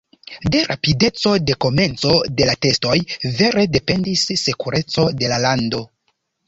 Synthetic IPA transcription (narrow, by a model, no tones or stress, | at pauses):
de̞ɾa̰pide̞t͡so̞de̞ko̞me̞nt͡so̞de̞late̞sto̞jve̞ɾe̞de̞pe̞ndisːekuɾe̞t͡so̞de̞lalando̞